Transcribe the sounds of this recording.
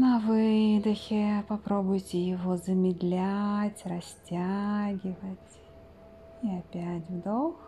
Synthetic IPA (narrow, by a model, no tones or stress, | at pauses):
nɐvɨd̪ʊxʲɪpɐpɾobʊjtʲɪjɪvɔzəmʲɪd̪lʲat͡sʲrɐsʲt͡sʲaɡʲɪvət͡sʲ | iapʲatʲvd̪ox